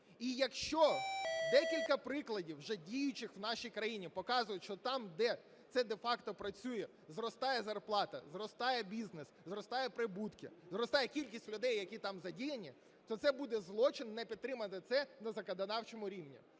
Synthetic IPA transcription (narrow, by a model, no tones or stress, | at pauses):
ijɐkʃt͡ʃɔd̪ɛkʲilʲkɐpɾɪklˠɐdʲiwʒɛdʲijʊt͡ʃɪxwnɑʃijkɾɐjinʲipɔkɑzʊjʊʃt͡ʃɔt̪ɑmd̪ɛ | t̪sɛd̪efɑkt̪ɔpɾɐt͡sʲujɛ | zrɔst̪ɑjɛzɐrplˠɑt̪ɐ̰zrɔst̪ɑjɛbʲizneszɾɔst̪ɑjɛpɾɪbut̪kʲɪ̰zɾɔst̪ɑjɛkʲilʲkʲisʲtʲlʲʊd̪ɛjːɐkʲit̪ɑmzɐdʲijɐnʲi | t̪ɔt̪sɛbud̪ɛzlˠɔt͡ʃɪnːɛpʲid̪̚t̪ːɾɪmɐt̪ɪt̪sɛnɐzɐkɐd̪ɐnɑwt͡ʃɔmʊɾʲiwnʲḭ